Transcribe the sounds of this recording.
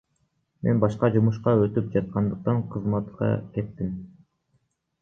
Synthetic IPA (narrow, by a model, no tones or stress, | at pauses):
mʔe̞nbɑʃqɑd͡ʒumuʃqɑøt̪yp̚d͡ʒɑt̪̚qɑnd̪ɯq̚t̪ɑɴqʰɯzmɑt̪qɑ̰kʲe̞t̪ːim